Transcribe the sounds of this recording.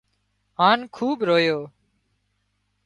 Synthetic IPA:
ɦaːnkʰuːɓɾoːjoː

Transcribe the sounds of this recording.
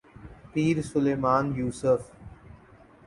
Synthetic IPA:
piːɾsʊleːmaːnjuːsəf

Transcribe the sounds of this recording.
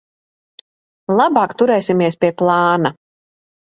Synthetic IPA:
lˠabɑːkt̪uɾɛːsimiɛspʲiɛplˠɑːna

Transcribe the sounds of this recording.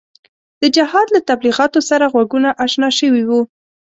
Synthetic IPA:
d̪̥əd͡ʒahɑd̪lat̪abliɣɑt̪osaɾaɣwaɡunaʔaʃnɑʃəwiwu

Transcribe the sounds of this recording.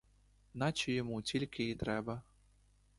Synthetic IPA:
nat͡ʃijɔmut͡sʲilʲkʲiit̪ɾɛbɐ

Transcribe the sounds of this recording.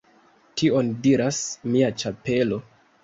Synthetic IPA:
tʰio̞ndiɾasmiat͡ʃape̞lo̞

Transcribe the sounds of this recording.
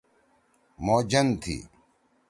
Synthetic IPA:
moːd͡ʑɐnt̪ʰḭː

